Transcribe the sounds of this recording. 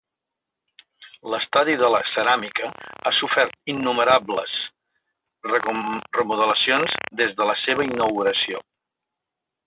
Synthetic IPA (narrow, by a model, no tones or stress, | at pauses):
ləst̪aðiðələsəɾamikəasufɛɾt̪̚inːuməɾablə̰s | rrəmuð̞ələsionzd̪ezðələseβəinːəɣuɾəsio̰